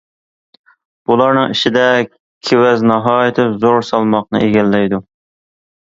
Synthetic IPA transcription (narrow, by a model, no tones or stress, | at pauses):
b̥ulˠɑɾnɨŋiʃɪd̪ɛ | kʲʰewɛznɑɦɑːjɪt̪ʰɪzoɾsɑlˠmɑqnɨ̰eɡʲɛlːɛjd̪u